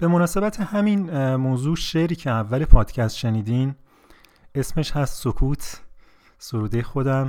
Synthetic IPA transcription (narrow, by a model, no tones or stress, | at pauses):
b̥e̞mo̞nɒːse̞bæt̪ʰehæminmoːzuːʃeɾiːcʰe̞ævːæle̞pʰɒːd̪̥cʰæst̪ʃe̞niːd̪im | e̞sme̞ʃhæst̪sokʰuːt̪ʰ | so̞ɾuːd̪e̞xo̞d̪æm